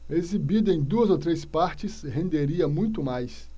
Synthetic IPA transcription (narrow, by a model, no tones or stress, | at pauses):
ezibid̪ʊɐẽj̃d̪uɐzowt̪ɾespaɾt͡ʃɪshẽnd̪eɾiɐmũj̃t̪ʊmajs